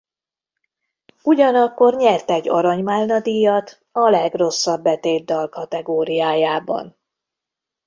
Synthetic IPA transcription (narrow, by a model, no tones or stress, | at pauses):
uɟɒnɒkːo̞rɲɛrt̪ɛɟːɒɾɒɲmaːlnɒd̪ijɒt̪ | ɒlɛɡro̞sːɒbːɛt̪eːd̪ːɒlkɒt̪ɛɡoːɾijaːjaːbɒ̰n